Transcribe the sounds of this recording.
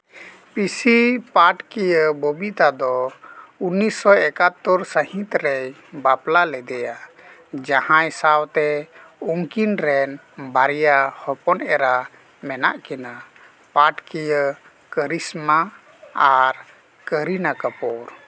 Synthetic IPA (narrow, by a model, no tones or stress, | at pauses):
pisipaʈkijəbobit̪ad̪ɔunːisɔɛkat̪ːəɾsəɦĩt̪ɾɛj | baplalɛd̪ɛja | d͡ʒahãɛsawt̪ɛuŋkinɾɛn | baɾijahɔpɔnɛɾa | mɛnaʔkina | paʈkijə | kəɾisma | aɾ | kəɾinakəpɔɾ